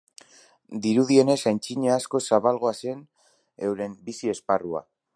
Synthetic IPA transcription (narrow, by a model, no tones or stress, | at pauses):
d̪iɾuðie̞ne̞sajnt͡ʃiɲeasko̞saβalɣ̞o̞ase̞n | e̞wɾe̞mbisie̞sparua̰